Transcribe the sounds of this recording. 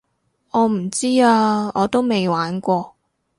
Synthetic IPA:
ɔː˨˧m̩˨˩t͡siː˥aː˧ɔː˨˧t̪o˥wme˨jwaː˨˥nkʷɔː˧

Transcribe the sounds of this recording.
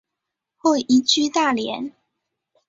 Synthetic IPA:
xwe˥˩ɪʔi˧˥t͡ɕy˥t̪a˥˩ljɛ̰˧˥˦n

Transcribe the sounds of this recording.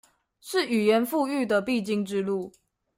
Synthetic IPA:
ʂɻ̩˥˩y˨˩jɛ˨˧˦nfu˥˧y˥˩d̪ə˨pi˥˨t͡ɕi˥˧ŋʈ͡ʂɻ̩˥˦lu˥˨

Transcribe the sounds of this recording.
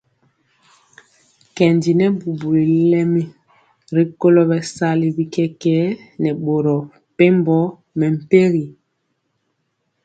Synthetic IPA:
kɛ˨ndi˨nɛ˦bu˨bu˨i˨lɛ˦mi˦ | ɾi˦ko˦lɔ˦bɛ˨sa˦li˨bi˦kɛ˦kɛ˦nɛ˨ɓo˨ɾɔ˨ | pe˦mbɔ˦ | mɛ˨m̩˨pe˦ɣi˨

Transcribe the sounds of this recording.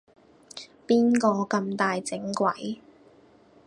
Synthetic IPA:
piː˥nkɔː˧kɐ˧mt̪aː˨jt͡sɪ˨˥ŋkʷɐ̰˨˥j

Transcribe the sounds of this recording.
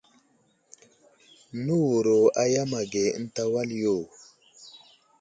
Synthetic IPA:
nu˦wu˨ɾo˨a˨ja˦ma˨ɡe˨˦n̩˦ta˦wa˦ljo˦˨

